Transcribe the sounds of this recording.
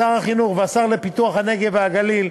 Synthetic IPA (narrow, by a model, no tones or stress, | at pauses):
aʁhaχinuχveasaʁlepit̪uaχhane̞ɡe̞veaɡalil